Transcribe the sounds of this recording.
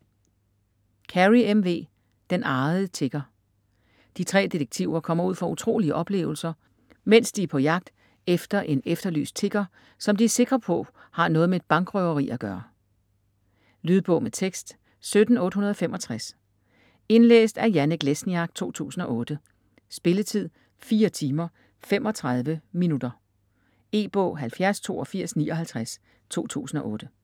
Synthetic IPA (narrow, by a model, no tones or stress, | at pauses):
kʰæʁiemʋe̝̰ː | d̥enʔɑ̈ːð̩ˠt͡sʰe̝ɡ̥ɐ | d̥it͡sʰʁɛ̰ːd̥ideɡ̥̚t͡sʰiʊɐkʰɒ̽m̰ɐuð̰ˠfɒ̽ut͡sʰʁo̝̰ːliəʔɒ̽b̥le̝̰ːʊl̩sɐ | men̰sd̥iæpʰɒ̽jɑ̈ɡ̥̚d̥ | efd̥ɐʔe̝nefd̥ɐly̰ːs̚t͡sʰe̝ɡ̥ɐ | sɒ̽md̥iæse̝ɡ̥ʁɐpʰɔ̽hɑ̈nɔ̽ːðˠmeed̥̚b̥ɑ̈ŋɡ̥ʁœʊɐʁḭːʔæɡ̥ɶːɐ | lyːðˠb̥ɔ̽ʊmet͡sʰeɡ̥sd̥ | sød̥n̩ɔ̽ːd̥ɦunɐð̞ˠɒfemɒ̽t͡sʰʁas | e̝nlḛːsd̥æɐjænəɡ̥lesniɑɡ̥̚t͡sʰo̝̰ːt͡sʰṵːsn̩ɒ̽ʔɔ̽ːd̥ə | sb̥e̝lət͡sʰið̞̰ˠ | fiːɐt͡sʰiːmɐ | femʔɒ̽t͡sʰʁɑðˠʋəminud̥ɐ | e̝̰ːb̥ɔ̰̽ːɦælfjæɐst͡sʰo̝̰ːɒfiɐ̰snḭːʔɒ̽ɦælt͡sʰʁas | t͡sʰo̝̰ːt͡sʰṵːsn̩ɒ̽ʔɔ̽ːd̥ə